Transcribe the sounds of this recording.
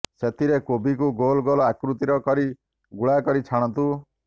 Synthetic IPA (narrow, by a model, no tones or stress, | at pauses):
set̪ʰiɾekobik̬uɡolɡɔlɔakɾut̪iɾɔkɔɾi | ɡuɭakɔɾit͡ʃʰaɽ̃ɔnt̪u